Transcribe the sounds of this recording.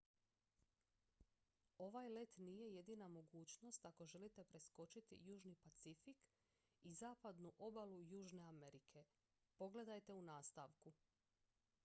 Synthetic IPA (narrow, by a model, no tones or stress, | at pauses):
o̞ʋaːjle̞t̪nije̞je̞d̪inamo̞ɡuːt͡ʃno̞st̪ako̞ʒe̞lit̪e̞pɾe̞sko̞t͡ʃit̪ḭjuːʒnipat̪sifik | izaːpad̪nuʔo̞balujuːʒne̞ame̞ɾikʰe̞ | po̞ɡle̞d̪ajt̪e̞unaːst̪aːʋku